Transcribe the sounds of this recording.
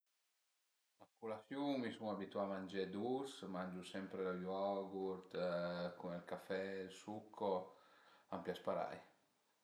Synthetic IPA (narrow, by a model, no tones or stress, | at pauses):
askulasjuŋmisuŋabit̪uamãnd͡ʒɛd̪usmand͡ʒusɛmpɾelajɔɡuɾt̪kunɛlkafɛlsukʰːɔ | ampjaspaɾa̰j